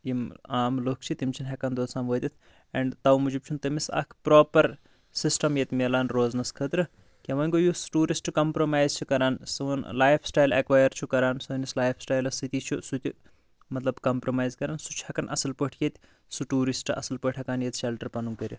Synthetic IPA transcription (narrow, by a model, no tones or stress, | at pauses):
jimaːmloːk̚ʰt͡ʃʰit̪imt͡ʃʰinɦɐkɐnd̪oːsaːmʋoːd̪ʲit̪ʰ | eɳɖt̪ɐwmud͡ʒib̚t͡ʃʰunt̪ɨmisɐ̰kʰpɾoːpɐɾ | sisʈɐmjet̪ʲmelaːnɾoːznɐskʰət̪ɾɨ | kʲeʋɐnʲɡojusʈuːɾisʈkɐmpɾomaːjzt͡ʃʰukɐɾaːnsɨʋɐnlaːjpʰsʈaːjlɐkʋaːjɐɾt͡ʃʰukɐɾaːnsuːnislaːjpʰsʈaːjlɐsit̪it͡ʃʰusut̪ʲi | mɐt̪lɐbkɐmpɾomaːjzkɐɾaːnsut͡ʃʰhɐkɐnʔɐ̰sɐlpəʈʰjet̪ʲ | suʈuːɾisʈɨɐ̰sɐlpəʈʰɦɐkaːnjet̪ʃelʈɐɾpɐnuŋkəɾʲi